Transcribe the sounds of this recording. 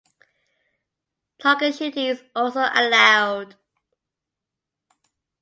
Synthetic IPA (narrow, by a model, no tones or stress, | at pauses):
tʰɑɡəʃitizɔˑlˠsoʊʔə̰laʊd̥